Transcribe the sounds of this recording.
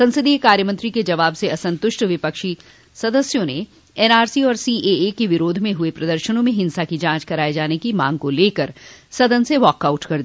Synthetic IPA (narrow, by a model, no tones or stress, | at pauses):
sɐ̃nsəd̪ikaːɾjəmɐ̃nt̪ɾiked͡ʒɐʋaːbseɐsə̃nt̪ʊʃʈʋɪpəkʃi | sɐd̪əsjõne | ɛːnaːɾsiɔːɾsiːʔeekeʋɪɾoːd̪ʱmẽɦʊepɾɐd̪əɾʃənõmẽɦɪ̃nsakid͡ʒãːt͡ʃkɐɾaːed͡ʒaːnekimãːŋɡkoleːkəɾsɐd̪ənseʋɔːkaʊʈkɐɾd̪ia